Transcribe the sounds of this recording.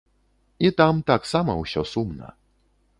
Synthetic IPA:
it̪amt̪aksama̰uɕɔsumna̰

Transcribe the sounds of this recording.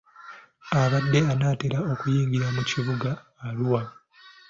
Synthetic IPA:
aβadːe̞anaːteɾao̞kujiːŋɡiɾamuciβuɡaː | luwa

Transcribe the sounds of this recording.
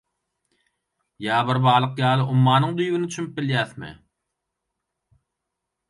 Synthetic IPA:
jɑːβɯɾbɑːlˠɯqjɑːlˠɯʔumːɑːnɯŋd̪yjɡinit͡ʃʰymyp̚biljæːθmɪ̰

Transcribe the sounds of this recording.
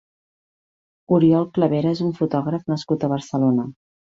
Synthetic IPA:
uɾiɔlˠkləβeɾəezuɱfut̪ɔɣ̞ɾəfnəskut̪əβəɾsəlonə

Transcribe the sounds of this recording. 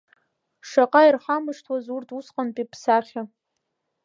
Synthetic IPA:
ʂaqʼairħamɨʂtʰwazurtʰusqʼanpʼipʰsaχʲa

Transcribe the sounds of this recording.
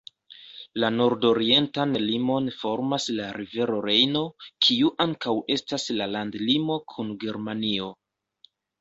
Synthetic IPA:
lano̞ɾdo̞ɾie̞ntanlimo̞nfo̞ɾmaslaɾive̞ɾo̞ɾe̞jno̞kʰiuʔaŋkawʔe̞staslalandlimo̞kʰunɡe̞ɾmanio̞

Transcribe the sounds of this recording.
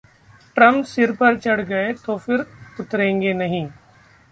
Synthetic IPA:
ʈɾɐ̃mpsɪɾpɐɾt͡ʃɐɽɡɐet̪oːfɪɾʊt̪ɾẽːŋɡenɐɦĩː

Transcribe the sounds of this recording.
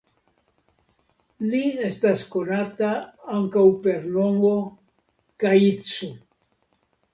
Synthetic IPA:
lie̞stasko̞nataaŋkawpe̞ɾlo̞ŋɡo̞ | kajit͡su

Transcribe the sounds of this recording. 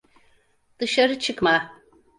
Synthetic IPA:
d̪̥ɯʃaɾɯt͡ʃʰɯkma

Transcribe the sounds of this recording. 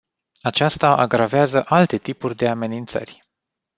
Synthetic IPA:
at͡ʃast̪aʔaɡɾaveazəʔalt̪e̞t̪ipurʲd̪e̞ame̞nint̪sə̰rʲ

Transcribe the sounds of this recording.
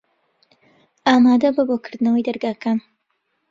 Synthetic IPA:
ʔaːmaːd̪ɐbɐbokʰɨɾd̪ɨnɐwɐjd̪ɐɾɡaːkaːn

